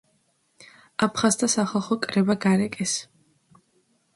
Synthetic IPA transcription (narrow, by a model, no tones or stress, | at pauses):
apʰχast̪ʰasaχalˠχɔkʼɾɛbaɡaɾɛkʼɛs